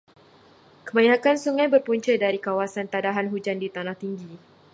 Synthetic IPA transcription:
kəmãjakansuŋãjbərpuɲt͡ʃədaɾikawasant̪adaɦanɦud͡ʒandit̪anaht̪iŋɡi

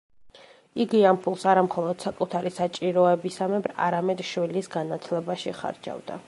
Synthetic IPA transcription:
iɡiampʰulˠsaɾamχɔlˠɔd̪̥sakʼut̪ʰaɾisat͡ʃʼiɾɔɛbisamɛbɾa̰ɾamɛd̪ʃwilisɡanat̪ʰlɛbaʃiχa̰ɾd͡ʒa̰vd̪a̰

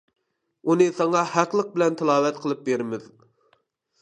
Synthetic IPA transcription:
unɨsɑŋɑhæqlˠəq̚bɪlɛnt̪ʰɪlˠɑːwɛt̪̚qʰəlˠɨp̚beɾɪmɪð

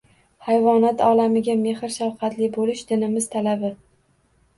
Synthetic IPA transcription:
hajvɒnat̪ʰɒlamɪɡʲame̞hɪɾʃawqʰɑt̪lɪbolɪʃd̪ɪnɪmɪzt̪ʰalabɪ

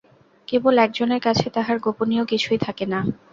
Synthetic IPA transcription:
kebolɛk̚d͡ʑoneɾkat͡ɕʰet̪aɦaɾɡoponiokit͡ɕʰujt̪ʰakena

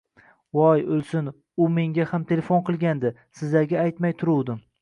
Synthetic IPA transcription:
wɒjolˠsɪn | ʊme̞ŋɡʲahamt̪ʰe̞lefonqɨlˠɡʲand̪ɪ | sɪzaɡʲaajt̪majt̪ʰʊɾuwd̪ɪm

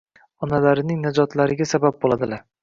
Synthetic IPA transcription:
ɒnalaɾɪnɪŋnad͡ʒɒt̪laɾɪɡʲasabap̚bolad̪ɪlaɾ

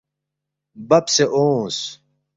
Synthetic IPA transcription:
bɐpseʔoːs

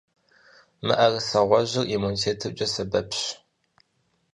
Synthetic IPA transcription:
mɨ̰ʔɐrɨsɐʁʷɔʑɪrʔimunitʰeːtʰɨt͡ʃʼɐsɐbɐpʰɕ

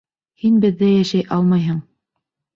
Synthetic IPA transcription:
hinbɘ̆ðːæjæʃæjʔɑ̰lˠmɑjɦɤɴ

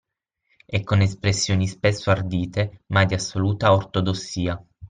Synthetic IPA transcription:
ɛkːonespɾesːjoːnispesːoard̪iːt̪emad̪iasːoluːt̪aort̪od̪osːiːa

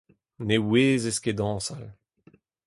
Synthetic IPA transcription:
neweːzesked̪ɑ̃ːsal

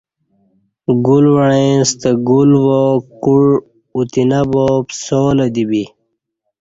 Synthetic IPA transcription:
ɡulwɐɳẽst̪əɡulwokuɽ | ut̪inɐboːpsoːlɐd̪ibi

